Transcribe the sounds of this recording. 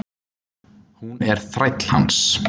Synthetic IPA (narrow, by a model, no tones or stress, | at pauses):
hunɛɾ̥θɾajt̪l̥ha̰ns